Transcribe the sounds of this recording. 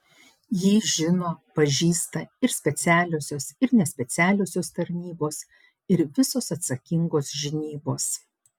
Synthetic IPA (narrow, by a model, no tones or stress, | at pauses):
jiːʒʲɪnoːpɐʒʲiːst̪ɐɪɾsʲpʲɛt̪sʲæːlʲoːsʲoːsɪɾnʲɛsʲpʲɛt̪sʲæːlʲoːsʲoːst̪ɐɾʲnʲiːboːs | ɪɾʋʲɪsoːsɐt̪sɐkʲɪŋɡoːsʒʲɪnʲiːboːs